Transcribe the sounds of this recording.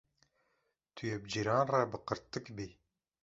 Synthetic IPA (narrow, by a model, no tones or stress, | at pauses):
t̪ʰyjɛb̚d͡ʒiɾɑːnrɛbɨqəɾt̪ːɨkbi